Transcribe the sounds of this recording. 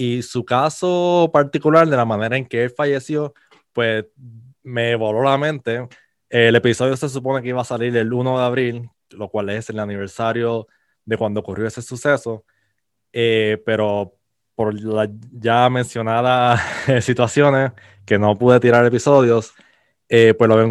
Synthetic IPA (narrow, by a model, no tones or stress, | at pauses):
isukaso̞paɾt̪ikulaɾd̪e̞lamãne̞ɾae̞ŋke̞elfaʝe̞sjo̞ | pwe̞s | me̞βolo̞lamẽ̞nt̪e̞ | ele̞piso̞ðjo̞se̞s̬upo̞ne̞keiβaːsaliɾeluno̞ðeaβɾil | lo̞kwale̞selanĩβeɾsaɾjo̞ | ðe̞kwand̪okurjoesesuse̞so̞ | epe̞ɾo̞ | po̞ɾlaɟ͡ʝamensjo̞naðasit̪wasjo̞ne̞s | ke̞no̞puðe̞t̪iɾaɾe̞piso̞ðjo̞s | epwesloβeŋ